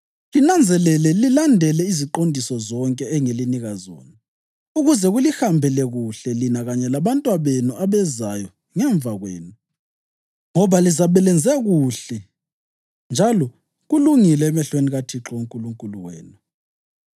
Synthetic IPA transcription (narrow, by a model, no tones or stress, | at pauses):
linand͡zʱɛlɛlɛlilandʱɛlɛiziǃondʱisɔzɔŋkʼɛɛŋeliniɣazɔ̰ːna | uɣuzɛɣulixambʱɛlɛɣuɬɛlinaɣaɲɛlaβantʼwaβenuʔaβɛzajɔ | ŋɛɱb̪vaɣwḛːnu | ŋɔβalizaβɛlɛnd͡zʱɛɣuɬɛ | nd͡ʒʱalɔ | ɣuluŋilɛːmɛɬweniɣatʰiǁɔoŋkʼuluŋkʼuluɣwɛ̰ːnu